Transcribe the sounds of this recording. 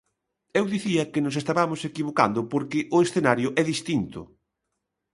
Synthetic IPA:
ewðiθiɐkɪnʊs̬est̪aβamʊsekiβoka̰nd̪ʊpoɾkɪʔʊesθenaɾjʊʔɛðist̪int̪ʊ̰

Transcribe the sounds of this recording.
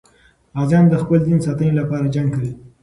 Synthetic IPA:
ɑzɑnd̪əxpəld̪insɑt̪əjolapɑɾad͡ʒaɳkawi

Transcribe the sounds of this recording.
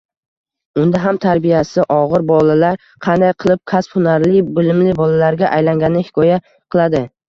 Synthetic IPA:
ʊnd̪aɦamt̪ʰaɾbijasɪʔɒʁɨɾbɒlˠalaɾ | qʰɑnd̪ajqʰɨlˠɪp̚kʲʰasphʊnaɾlɪbɪlɪmlɪbɒlalaɾɡʲaʔajlaŋɡʲanɪhɪ̥kʰɒja | qʰɨlˠad̪ɪ

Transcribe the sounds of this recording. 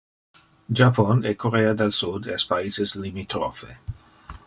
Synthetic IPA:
d͡ʒaponekʰoɾead̪elsud̪ɛspaiseslimit̪ɾo̰fḛ

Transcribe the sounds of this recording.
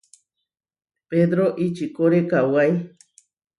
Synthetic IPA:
ped̪ɾoʔit͡ʃikoɾekawaj

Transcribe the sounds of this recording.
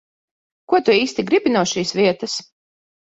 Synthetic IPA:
kuɔt̪uiːst̪iɡɾibʲinuɔʃiːsvʲiɛt̪ɐs

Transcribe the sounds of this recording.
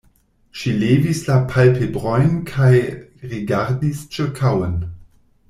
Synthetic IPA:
ʃileːvislapʰalpʰebʁɔjnkʰaj | ʁiɡaʁdist͡ʃəkʰawən

